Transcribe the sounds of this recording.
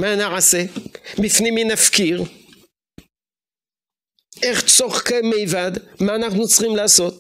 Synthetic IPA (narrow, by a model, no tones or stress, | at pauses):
manaʕasebifniminafkiʁ | e̞χt͡soχkemejvad̪maːnaχnut͡sχimlaːso̞t̪